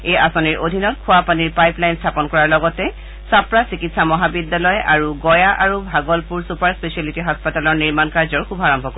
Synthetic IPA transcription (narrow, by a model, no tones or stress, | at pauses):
ejasɔniɹʔodʱinɔtkʰʊapaniɹpajplajnstʰapɔnkɔɹaɹlɔɡɔtɛ | sapɹasikitsamɔɦabidːalɔjaɹuɡɔjaʔaɹubʱaɡɔlpuɹsupaɹspesialitiɦaspatalɔɹniɹmankaɹzɔɹkʰubʱaɹɔmbʱɔko